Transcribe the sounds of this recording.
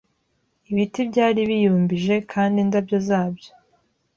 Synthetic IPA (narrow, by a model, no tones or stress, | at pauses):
iβitibɟaːɾiβijuːmbiʒe̞kʰaːndindabjo̞zaːbjo̞